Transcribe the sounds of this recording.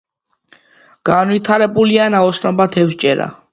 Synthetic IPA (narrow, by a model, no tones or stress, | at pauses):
ɡ̥anwit̪ʰaɾɛbulianaɔsʰnɔbat̪ʰɛft͡ʃʼɛɾa̰